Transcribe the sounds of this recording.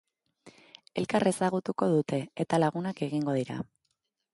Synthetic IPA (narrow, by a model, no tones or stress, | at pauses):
e̞lkare̞saɣ̞ut̪uko̞ð̞ut̪e̞et̪alaɣ̞unake̞ɣiŋɡo̞ð̞iɾa̰